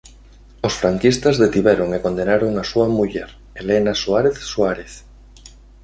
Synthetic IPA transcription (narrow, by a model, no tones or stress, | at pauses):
osfɾaŋkist̪azðet̪iβ̞eɾoŋekond̪enaɾoŋasuamuʎeɾ | elenasuaɾeθsuaɾeθ